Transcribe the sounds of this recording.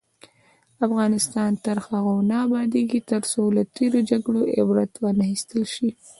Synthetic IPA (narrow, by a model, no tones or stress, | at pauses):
afɣɑnɪst̪ɑnt̪aɾxaɣawnɑːbɑd̪eɡit̪əɾsolat̪eɾod͡ʒaɡɽoʔɪ̰bɾat̪wɑnaxist̪əlʃi